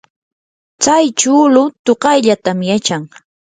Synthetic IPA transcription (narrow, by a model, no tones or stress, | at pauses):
t͡sajt͡ʃʊlʊt̪oqɑjʎat̪amjat͡ʃaŋ